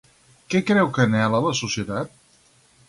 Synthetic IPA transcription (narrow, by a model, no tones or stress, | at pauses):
kɛkɾɛwkənɛlələsusjət̪at̪̚